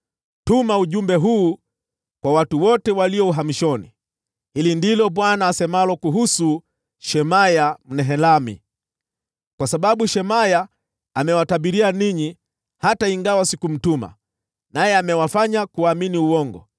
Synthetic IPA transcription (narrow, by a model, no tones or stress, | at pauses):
tumauʄumbɛɦuː | kwawatuwɔtɛwaliɔuɦamiʃɔnḭ | hilindilɔɓwanaːsɛmalɔkuɦusu | ʃɛmajam̩nɛɦɛlamḭ | kwasaɓaɓuʃɛmaja | amɛwataɓiɾianiɲi | hataiŋɡawasikum̩tuma̰ | najɛamɛwafaɲakuaminiuwɔŋɡɔ̰